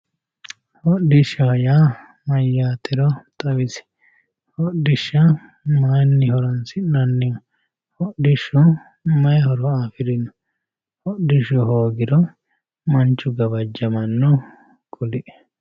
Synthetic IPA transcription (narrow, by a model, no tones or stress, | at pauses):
hɔɗɪʃɐja | mɐjːaːt̪ɪɾɔt̪ʼɐwɪsɪ̥ | hɔɗɪʃːɐ | majnːɪhɔɾɐnsɪnɐnːɪ | hɔɗɪʃːɔ | mɐjhɔɾɔaːfɪɾɪnːɔ | hɔɗɪʃɔɦoːɡɪɾɔ | mɐnt͡ʃːʊɡɐβɐd͡ʒːɐmɐnːɔ | kʊlɪʔɛ̥